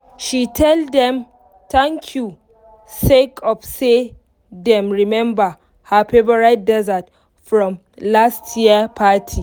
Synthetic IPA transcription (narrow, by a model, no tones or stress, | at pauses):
ʃitʰɛlddɛ̃m | tʰãŋkʰju | sekʰɔfse | dɛ̃mɹimɛ̃mba | hapʰebaɹaɪt̚dɛzat | fɹɔ̃m | lastʰjiəpʰatʰi